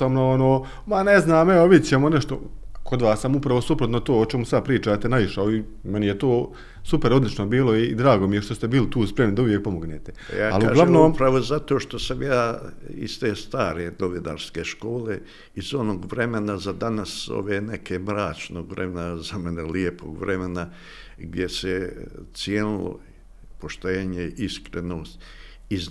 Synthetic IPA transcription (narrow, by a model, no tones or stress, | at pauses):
amnoonoː | maneznaːmeoʋid̪ʲt͡ɕemoneʃt̪o̞̰kʰo̞d̪ʋaːssamupɾaʋo̞supɾot̪not̪oːot͡ʃemusad̪̚pɾiːt͡ʃaːt̪enaʋiʃaoi | menijet̪oː | supeɾo̞d̪lit͡ʃnobiːlo̞id̪ɾaːɡo̞mijeʃt̪o̞st̪e̞biːlit̪uːspɾe̞mnid̪auʋjek̚po̞moɡnet̪e | aaluɡlaʋnoːmpɾaʋozat̪o̞ːʃt̪o̞samjaːḭst̪eːst̪aːɾe̞no̞ʋina̰ːɾskeʃko̞ːle̞ | izo̞noːɡʋɾe̞menazad̪anaso̰ʋeːnekʰeːmɾaːt͡ʃnoːɡʋɾḛmenazameneliepo̰ːɡʋɾʔemena | ɡd̪jeset̪sjenulo̰ | poʃt̪eːɲeiskɾenoːst̪ | iz